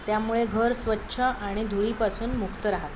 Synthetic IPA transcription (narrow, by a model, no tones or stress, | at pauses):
t̪jamuɭeɡʱəɾsʋətːɕʰəaɽ̃id̪ʱuɭiːpasuːnmukt̪əɾaɦat̪